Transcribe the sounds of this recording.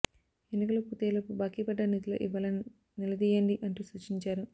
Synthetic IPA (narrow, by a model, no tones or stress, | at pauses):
enikɐlɐput̪eːlɐpubaːkipɐɖːɐnit̪ilo̰ːʔiʋaːlɐ | nilɐd̪iːjɐɳɖiʔɐɳʈusut͡ʃiɲt͡ʃaːɾu